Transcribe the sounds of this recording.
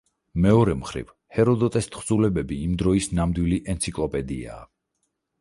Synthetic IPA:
mɛɔɾɛmχɾḭv | hɛɾɔd̪ɔt̪ʼɛst̪ʰχd̪zulɛbɛbiːmd̪ɾɔisnamd̪wiliʔɛnt̪sʰikʼlˠɔpʼɛd̪ia̰ː

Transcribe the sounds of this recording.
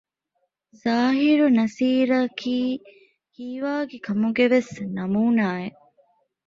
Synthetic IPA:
z̥aːɦiɾunɐsiːɾɐkʰiː | hiːʋaːɡekʰɐmuɡeʋesnɐmuːnaːeʔ

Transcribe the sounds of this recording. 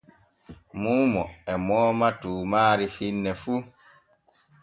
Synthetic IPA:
muːmɔɛmɔːmatuːmaːɾifinːɛfu

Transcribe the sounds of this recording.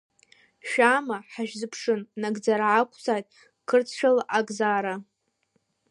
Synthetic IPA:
ʃᶣaːmaħaʒᶣzɨpʰʂɨnːaɡʼd͡zaɾaʕakʷʰzajtʼ | kʰɨrt͡sʰʃᶣalʔaɡʼzaːɾa

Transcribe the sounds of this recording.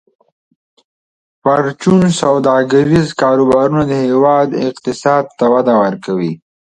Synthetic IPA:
paɾt͡ʃunsawd̪ɑɡaɾizkɑːɾubɑɾunad̪əhewɑːd̪ɪ̰qt̪ɪsɑːd̪̚t̪awad̪awaɾkawi

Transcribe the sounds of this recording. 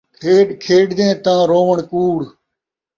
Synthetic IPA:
kʰeːɖkʰeːɖd̪ẽːt̪ãːɾoːʋəɳkuːɽ

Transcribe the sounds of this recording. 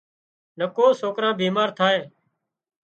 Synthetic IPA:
nəkoːsoːkɾãːbiːmaːɾt̪ʰaːeː

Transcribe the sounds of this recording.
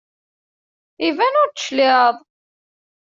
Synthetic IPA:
ivænʊɾt̪ːəʃlɪəðˤ

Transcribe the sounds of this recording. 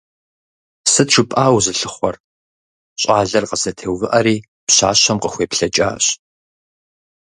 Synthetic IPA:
sɨtʃʷʰɨpʼaːwzɨɬɨχʷɔr | ɕʼaːɮɐrqəsɐtʰeːwvɨʔɐɾiː | pɕa̰ːɕɐmqəxʷeːpɬɐt͡ʃʼa̰ːɕ

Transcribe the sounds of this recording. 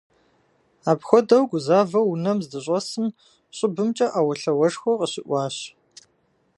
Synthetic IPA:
aːpxʷɔdɐwɡʷʊzaːvɐwunɐmzdɨɕ̬ʼɐsɨm | ɕʼɪbɨmt͡ʃʼɐʔaːwɐɬɐwɐʂxʷɔqəɕɪʔʷɑːɕ

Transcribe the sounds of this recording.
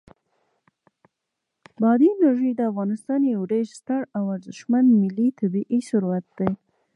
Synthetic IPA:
bɑd̪inaʒəjd̪əafɣɑnɪst̪ɑnjewɖeʃst̪aɽawaɾzəʃmand̪mɪlit̪ʰabiʔisʊɾwat̪̚d̪̥aj

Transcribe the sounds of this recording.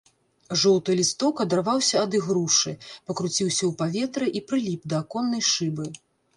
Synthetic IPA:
ʐɔwt̪ɨjlʲist̪ɔkɐd̪ɐrvawsʲɐːd̪ɨɣɾuʂɨpɐkɾut͡sʲiwsʲɐwpavʲɛt̪ɾɨʔipɾɨlʲipd̪ɐːkɔnːɐjʂɨbɨ

